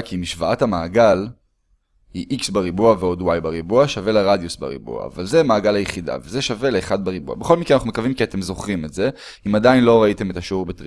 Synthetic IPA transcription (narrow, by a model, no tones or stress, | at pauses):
kimiʃvaathamaːɡal | hiʔiksbaʁibuaveo̞dwajbaʁibuaʃave̞leʁad̪jusba̰ʁḭbṵa̰ːvalze̞maːɡalajeχida̰vezeʃave̞leːχadbaʁibua̰beχo̞lmikenanaχnumekavimkiate̞mzo̞χʁimetze̞ | imadainlo̞ʁaite̞metaʃeuʁbetʁ